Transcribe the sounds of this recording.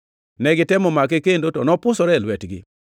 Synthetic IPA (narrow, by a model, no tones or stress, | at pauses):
nɛɡɪtɛmɔmakekendotɔnɔpʊsɔɾɛlwɛtɡɪ̰